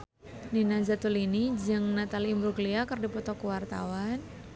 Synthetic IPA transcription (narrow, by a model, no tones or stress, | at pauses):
ninazat̪ulinid͡ʒɨŋnat̪aliːmbɾuɡliakərdipɔt̪ɔkəwart̪a̰wan